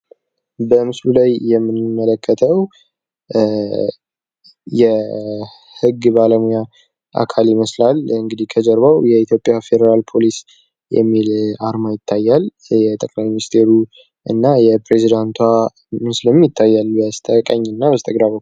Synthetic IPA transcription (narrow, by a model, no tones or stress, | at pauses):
bəmɨslulajːɛmːɨnmələkːət̪ʰəw | jɛ | hɨɡːbaləmuja | ʔa̰kʰaliməslalɨŋɡɨd̪ikʰəd͡ʒəɾbawjɛit̪ʰjo̞pʼːjafe̞d̪əɾalpʰo̞lis | jɛ̰mːilaɾmajɪt̪ʰːajːal | jɛt̪ʼəkʼlajmɪnist̪ʰe̞ɾu | ʔɨnːajɛpɾe̞zid̪ant̪ʰwa | mɨslɨmjɪt̪ʰːajːalːujast̪ʰʼəkʼaɲːɨnːabəst̪ʼəɡɾaβəkːu